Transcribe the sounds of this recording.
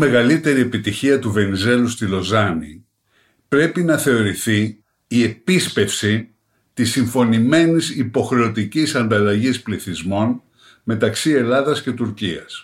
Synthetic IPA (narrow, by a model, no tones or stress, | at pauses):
me̞ɣɐlit̪e̞ɾie̞pit̪içiɐt̪uve̞nize̞lust̪ilo̞zɐnḭ | pɾe̞pinɐθe̞o̞ɾiθiː | e̞pispe̞fsi | t̪isiɱfo̞nime̞nisipo̞xɾe̞o̞t̪icisɐnd̪ɐlɐʝispliθizmo̞n | me̞t̪ɐksie̞lɐðɐsce̞t̪uɾciɐs